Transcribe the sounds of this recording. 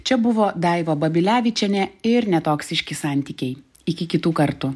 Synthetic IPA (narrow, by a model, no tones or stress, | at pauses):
t͡ʃʲɛbʊʋoːd̪ɑɪʋoːbɐbʲɪlʲæːʋʲɪt͡ʃʲɛnʲɛɪɾnʲɛt̪oːksʲɪʃʲkʲɪsɑˑnʲt̪ʲiːkʲɛɪj | ɪkʲɪkʲɪt̪uːkɐɾt̪ʊ